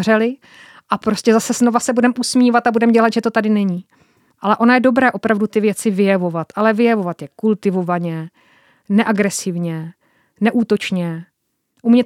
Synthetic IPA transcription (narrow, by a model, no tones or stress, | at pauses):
rɛlɪ | ʔapɾo̞scɛzasɛzno̞vasɛbudɛmʔusmiːvat̪abudɛmɟɛlat̪ʒɛt̪o̞t̪adɪnɛɲiː | ʔalɛʔo̞najɛdo̞bɾɛːʔo̞pɾavdut̪ɪvjɛt͡sɪvɪjɛvo̞vat̪ʔalɛvɪjɛvo̞vat̪jɛkult̪ɪvo̞vaɲɛ | nɛʔaɡɾɛsɪvɲɛ | nɛʔuːt̪o̞t͡ʃɲɛ | ʔumɲɛ